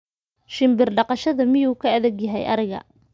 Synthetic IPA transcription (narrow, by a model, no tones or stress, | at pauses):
ʃɪmbɪrɖɑqɑʃɐðɐmɪjuːkʰɐɐðɛɡjɐɦɛjʔɐ̰ɾɪɣɐ̰